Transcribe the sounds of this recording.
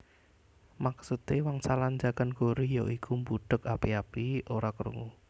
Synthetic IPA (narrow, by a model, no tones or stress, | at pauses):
maksut̪ewaŋsalaɲd͡ʒaɡ̥anɡ̥oɾijɔʔikʰumbuɖ̪̥əkapiapioɾakəɾṵŋu